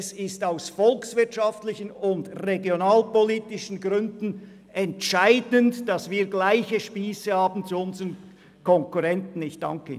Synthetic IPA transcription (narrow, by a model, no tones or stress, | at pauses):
sɪstaʊsfɔlksvɪɐtʃɑftlɪçənʊndʁeɡjonaːlpoliːtɪʃən̩ɡʁʏndn̩ | ɛntʃaɪdəntd̥ɑsviːɐɡlaɪçəʃpiːsəhɑːbn̩t͡suʊnzəʁən | kʰɔŋkuʁɛntn̩ɪçd̥ɑ̰ŋkə